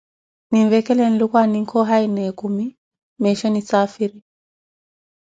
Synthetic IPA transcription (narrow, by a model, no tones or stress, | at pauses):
niɱvɛkɛlɛn̩lukwaniŋ̩kʰɔɦainɛkumi | mɛʃɔnit͡safiɾi